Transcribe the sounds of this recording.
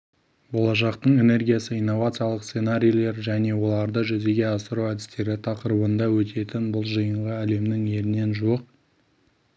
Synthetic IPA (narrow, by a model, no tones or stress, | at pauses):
bo̞lˠɑʃ̬ɑqt̪əɴe̞ne̞rɡʲijasəijnːo̞vat̪sɨjalˠəqssenaɾʲijle̞ɾʒæne̞wo̞lˠɑɾd̪əʒʏze̞ɡʲe̞ɑsəɾuwæd̪ɪst̪e̞ɾɪt̪ʰɑqəɾəbənd̪ɑwɵt̪ʰe̞t̪ɪnbʊlˠʒəjəɴʁəæle̞mnɪŋe̞ɾɪne̞nʒuəq̚